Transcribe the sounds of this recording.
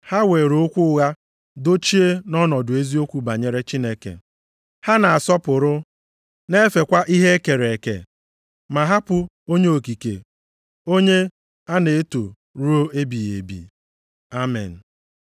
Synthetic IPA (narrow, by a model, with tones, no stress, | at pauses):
ha˦we˨ɾo˦kʷʊ˦ʊ˦ɣa˦ | do˦t͡ʃi˦e˦nɔ˦nɔ˨dʊ˨e˦zi˦o˦kʷu˦ba˨ɲe˨ɾe˦t͡ʃi˦ne˦kḛ˨ | ha˦na˨a˨sɔ˦pʊ˨ɾʊ˦ | ne˦fe˨kʷa˦ʔi˦ɦe˦ke˨ɾe˨kḛ˨ | ma˨ɦa˦pʊ˨ | o˦ɲe˦o˨ki˨kḛ˨ | o˦ɲe˦ | a˦ne˨e˦to˨ | ɾu˦o˦ʔe˦bi˨jḛ˨bḭ˨ | a˦mɛ̰˨n̩˨